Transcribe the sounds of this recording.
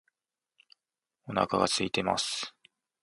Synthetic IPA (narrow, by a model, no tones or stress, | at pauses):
o̞na̰kaɡat͡sɨit̪e̞ma̰sɨ̥